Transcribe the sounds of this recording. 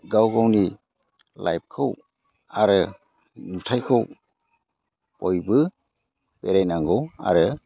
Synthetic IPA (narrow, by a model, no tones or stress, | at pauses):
ɡawɡawni | lʔa̰jp̚kʰɯw | aɾɯ | nutʰajkʰɯw | pɔjbɯ | peɾajnaŋɡɔwa̰ɾɯ